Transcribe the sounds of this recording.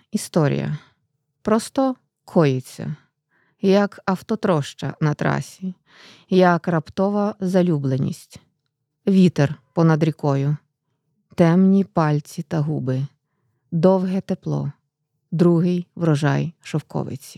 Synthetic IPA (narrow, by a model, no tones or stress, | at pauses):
ist̪ɔɾʲḭjɐ̰ | pɾɔst̪ɔ | kʰɔjɪt͡sʲːɐ̰ | jɐkɐwt̪ɔt̪ɾɔʃt͡ʃɐ̰nɐt̪ɾɑ̰sʲi | jɐkrɐpt̪ɔʋɐzɐlʲublˠenʲḭsʲtʲ | ʋʲit̪erpɔnɐd̪ɾʲikɔjʊ | t̪ɛmnʲipɑlʲt͡sʲit̪ɐɦubɪ | d̪ɔwɦɛt̪eplˠɔ̰ | d̪ɾuɦɪjʋɾɔʒɑ̰jʃɔwkɔ̰ʋɪ̰t͡sʲi̥